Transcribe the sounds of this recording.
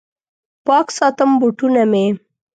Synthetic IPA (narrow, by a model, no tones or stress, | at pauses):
pɑksɑt̪əmbuʈuname